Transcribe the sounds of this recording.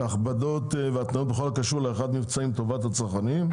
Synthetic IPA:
aχbad̪ot̪veat̪naot̪bexolakaʃuʁleeχad̪mivt͡saimt̪o̞vat̪hat͡saʁχanim

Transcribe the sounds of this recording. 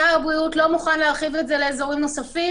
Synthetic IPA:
aabʁiutlo̞muχanleaχive̞tze̞le̞ːzo̞ʁimno̞safi

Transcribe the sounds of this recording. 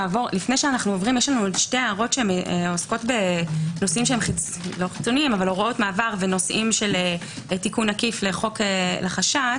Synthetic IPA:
avo̞ʁlifne̞jʃeanaχnuovʁimjɛʃlanuʃteaːʁo̞tʃeemeosko̞tbe̞no̞simʃeemχi | lo̞χi̥t͡sonimavaloʁoʔo̞tmaːvaʁveno̞sʔimʃele | tikunakifleχo̞kelaχaʃa

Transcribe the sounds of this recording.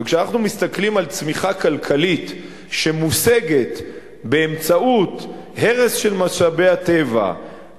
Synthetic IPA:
kʃeanaχnumist̪aklimalt͡smiχakalkʰalit̪ | ʃe̞museɡe̞t | beːmt͡sauthe̞ʁesʃe̞lmaʃabe̞at̪e̞va̰

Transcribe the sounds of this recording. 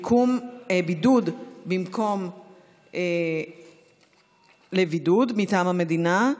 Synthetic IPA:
kʰumbidud̪bimko̞m | e | levidud̪mitaːmhamedina

